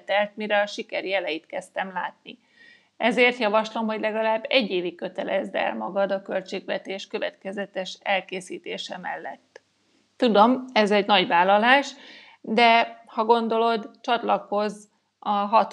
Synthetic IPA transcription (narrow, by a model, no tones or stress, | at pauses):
t̪ɛlt̪miɾɛɒʃikɛɾijɛlɛjit̪kɛst̪ɛmla̰ːt̪̚ni | ʔɛzeːrt̪jɒvɒʃlo̞mɦo̞ɟlɛɡɒlaːbːɛɟːeːvikːø̞t̪ɛlɛzd̪ɛ̰lmɒɡɒd̪ɒkø̞lt͡ʃeːɡʋɛt̪eːʃkø̞vɛt̪kɛzɛt̪ɛʃɛlkeːsiːt̪eːʃɛmɛ̰lːɛ̰t̪ː | ud̪o̞mɛzɛɟnɒɟvaːlːɒlaːʃ | d̪ɛhɒɡo̞nd̪o̞lo̞d̪t͡ʃɒt̪lɒko̞z | ɒɦɒt̪